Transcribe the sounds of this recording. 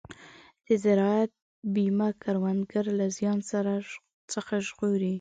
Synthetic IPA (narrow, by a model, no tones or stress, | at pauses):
d̪̥əzaɾɑat̪̚ | bimakaɾwand̪ɡaɾlazjɑnsaɾa | t͡səxaʒɣoɾi